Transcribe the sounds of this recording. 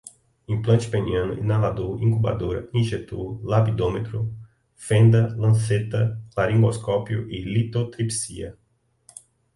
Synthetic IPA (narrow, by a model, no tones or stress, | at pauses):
ĩplɐ̃nt͡ʃɪ̥pẽniɐ̃nʊ̰ʔḭnalad̪oɾĩkuba̰d̪oɾɐ̰ĩʒet̪olapid̪õmet̪ɾʊ | fẽnd̪ɐlɐ̃set̪ɐklaɾĩŋɡoskɔpjʊʔilit̪ot̪ɾipsḭɐ̰